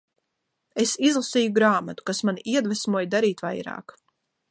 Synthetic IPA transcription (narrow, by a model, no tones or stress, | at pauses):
esizlˠasiːjuɡɾaːmat̪u̥kasmaniʔiɛd̪vɛsmuɔjd̪aɾiːt̪vajɾɑ̰ːk